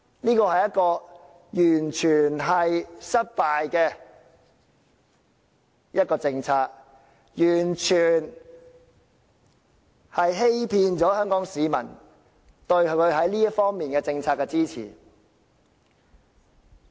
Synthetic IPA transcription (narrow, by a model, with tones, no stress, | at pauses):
liː˥kɔː˧hɐ˨˩jɐ˥t̚kɔː˧ | jyː˨˩nt͡ʃʰyː˨˩nɦɐ˨jsɐ˥t̚paː˧jkɛː˧ | jɐ˥t̚kɔː˧t͡sɪ˧ŋt͡sʰaː˧k̚ | jyː˨˩nt͡ʃʰyː˨˩n | hɐ˨jɦe˥jpʰiː˧nt͡ʃɔː˨˥hœː˥ŋkɔː˨˥ŋsiː˨˧mɐ̰˨˩n | t̪ɵ˧ɥkʰɵ˨˧ɥɦɐ˨˥jliː˥ɐ˥fɔː˥ŋmiː˨nkɛː˧t͡sɪ˧ŋt͡sʰaː˧kːɛ˧t͡siː˥t͡sʰḭː˨˩